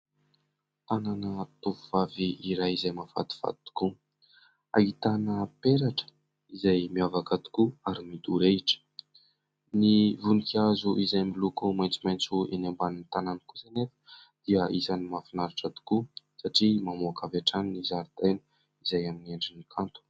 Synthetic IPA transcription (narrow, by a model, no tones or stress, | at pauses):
t̪ananət̪uvuvaviiɾajizajmava̰t̪i̥v̥a̰t̪t̪u̥ku | a̰it̪anəpeɾaʈ͡ʂə̥ | izajmiavakat̪i̥kuaɾimid̪uɾeʈ͡ʂə̥ | nivunikʲazuʔizajmilukumajnt͡simajnt͡suenambanint̪ananikuzanefə̥ | d̪̥iəʔizanimafinaɾiʈ͡ʂat̪i̥ku | saʈ͡ʂimamuakavaʈ͡ʂaninizaɾit̪enə̥ | izajaminiaɳɖ͡ʐinikʰant̪u̥